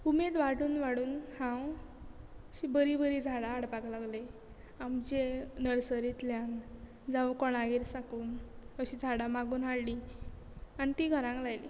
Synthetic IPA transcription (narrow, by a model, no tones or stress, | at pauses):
umet̪ʋaɽuːnʋaɽuːnhãw | ɕibəɾibəɾid͡zʱaɽaːɽpaklaɡle | amd͡ʑenəɽsəɾit̪ljan | d͡zaʋəkɔɽ̃aɡeɾsakuːnəɕid͡zʱaɽamaɡuːnɦaɽli | anit̪iɡʱəɾãŋklajlḭ